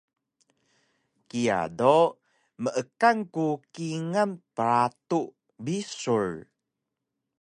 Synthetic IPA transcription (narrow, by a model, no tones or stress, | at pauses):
kia̰do | məʔəkaŋkukiŋanpəɾat̪uʔ | bisuɹ